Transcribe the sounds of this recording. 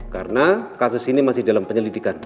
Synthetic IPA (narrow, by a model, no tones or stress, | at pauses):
ka̰rənakasʊsinimasɪhdalampəɲəlidikan